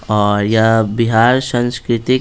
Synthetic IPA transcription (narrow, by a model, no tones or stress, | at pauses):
ɔːɾjabiɦaːɾsãnskɾɪt̪ɪ